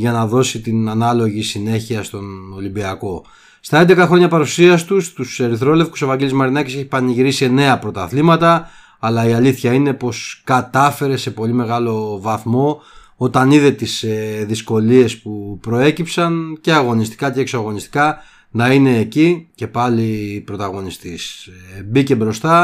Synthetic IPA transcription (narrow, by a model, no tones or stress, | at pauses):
ʝɐnɐðo̞sit̪inɐnɐlo̞ʝisine̞çiɐst̪o̞no̞limbiɐko̞ | st̪ɐend̪e̞kɐxɾo̞ɲɐpɐɾusiɐst̪ust̪use̞ɾiθɾo̞le̞fku̥so̞vɐɲɟe̞lizmɐɾinɐciseçi̥pɐniʝiɾisene̞ɐpɾo̞t̪ɐθlimɐt̪ɐː | lɐiɐliθçɐine̞po̞skɐt̪ɐfe̞ɾe̞se̞po̞lime̞ɣɐlo̞vɐθmo̞ | o̞t̪ɐniðet̪iseðisko̞lie̞spupɾo̞e̞cipsɐnce̞ɐɣo̞nist̪i̥kɐceːksoɐɣo̞nist̪i̥kɐ | nɐine̞ːcice̞pɐlipɾo̞t̪ɐɣo̞nist̪isbice̞bɾo̞st̪ɐ